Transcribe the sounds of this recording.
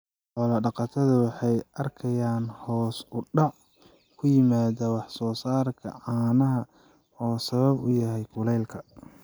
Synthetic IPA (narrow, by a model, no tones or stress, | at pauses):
ħɔlɐɖɑqɑt̪ʰɐðɐwɑħɑjʔɐrkʰɐjaːnhɔːsʊɖɑʕ | kʰʊjɪmaːðɐwɑħsɔːsaːrkʰɐ̰ʕɑːnɐɦɐ | ɔːsɐβɐbʊjɐɦɛjkʰʊlɛjlkʰɐ